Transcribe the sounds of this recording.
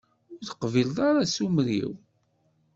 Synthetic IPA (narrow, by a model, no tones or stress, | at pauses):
ʊɾθə̥qvilðˤɑɾasumɾḭw